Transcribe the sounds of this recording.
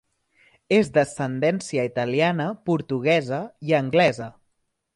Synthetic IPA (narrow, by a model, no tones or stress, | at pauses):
ezd̪əsənd̪ɛnsiəit̪əlianəpuɾt̪uɣ̞ɛzəiəŋɡlɛzə